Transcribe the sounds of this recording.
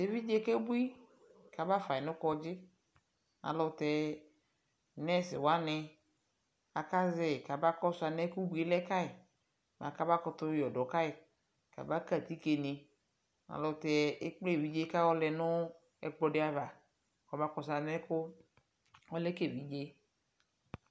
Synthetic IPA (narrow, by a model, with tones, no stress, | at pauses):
te˦vi˦d͡ʒe˦ke˦bu˦i˦ | ka˨ba˦fa˨ɪ˨nʊ̃˦kɔ˦d͡ʒɪ˦ | ã̰˨lɔ˧˨t̪ɛ˧ | nɛ˦˨sɪ̰˨wa˦nɛ˧ | a˨ka˦zɛ˦˨ka˨ba˦kɔ˦sʊ˦a˧nɛ˦ku˦bu˦e˦lɛ˦ka˦ɪ˨ | m˨ã̰˨ka˦ba˦kɔ˧t̪ʊ˦jɔ˨dɔ˨ka˦ɪ˨ | ka̰˨ba˦ka˦˨t̪i˦ke˨ne˨ | ŋa̰˨lɔ˧˨t̪ɛ˨˦e˦k͡ple˦˨vi˦d͡ʒe˦ka˦wɔ˦lɛ˧nʊ˦ | ɛ˨k͡pɔ˧dɪ˦a˦va˨ | kɔ˨ba˦kɔ˧sa˨nɛ˦kʊ˦ | ɔ˦lɛ˦ke˦˨vi˦d͡ʒe˦